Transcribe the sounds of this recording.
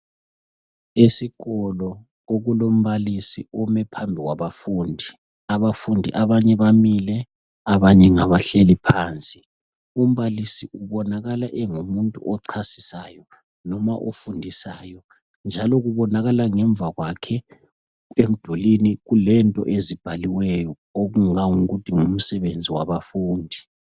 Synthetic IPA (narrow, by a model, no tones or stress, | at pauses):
esiɣɔlɔ | oɣulom̩βalisiɔmɛpʰambʱiɣwaβafuːndʱi | aβafundʱḭʔaβaɲɛβamilɛ | aβaɲɛŋaβaɬelipʰaːnt͡sʼi̥ | um̩βalisiuβɔnaɣalaʔɛŋumuntʼuʔɔǀʰasi̥sajɔ | nɔmaʔofundʱisaːjɔ | nd͡ʒʱalɔɣuβɔnaɣalaŋɛɱb̪vʱaɣwakʰɛ | em̩d̥ʱoliniɣulɛntʼɔ̰ʔezib̥ʱaliwɛjɔ | oɣuŋaŋuɣutʰiŋum̩sɛβend͡zʱiwa̰βafuːndʱi